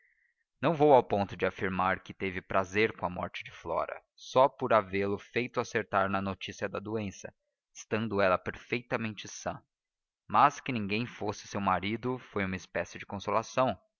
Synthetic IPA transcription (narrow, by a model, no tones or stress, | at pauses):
nɐ̃w̃vowawpõnt̪ʊd͡ʒɪafiɾmaɾkɪt̪evɪpɾʔazeɾkõɐmɔ̰ɾt͡ʃɪd͡ʒɪflɔ̰ɾɐ̰ | sɔpoɾavelʊfejt̪ʊaseɾt̪aɾnɐnot͡ʃisiɐd̪ɐd̪uẽsɐ̰ | ɪst̪ɐ̃nd̪ʊɛlɐpeɾfejt̪ɐmẽnt͡ʃɪsɐ̰̃ | mɐskɪnĩŋɡẽj̃fosɪ̥sewmaɾid̪ʊfojũmɐɪspɛsɪd͡ʒɪkõsolasɐ̃w̃